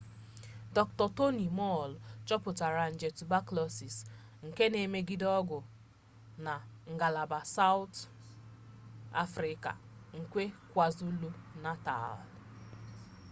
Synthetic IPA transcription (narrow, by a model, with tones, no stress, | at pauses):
dɔ˨k̚tɔ˨to˦ni˨mɔ˦˨lt͡ʃɔ˦pʊ˨ta˨ɾa˨n̩˨d͡ʒe˨tu˨ba˦klɔ˦si˨s | ŋ̩˨ke˦ne˨me˦ɡi˦dɔ˦ɡʊ˨ | na˨ŋ̩˨ɡa˨la˨ba˨sa˦ʊ˦t | a̰˦fɾɪ˦ka̰˨ŋ̩˨kʷe˦kʷa˨zu˦lu˦na˦ta̰˨l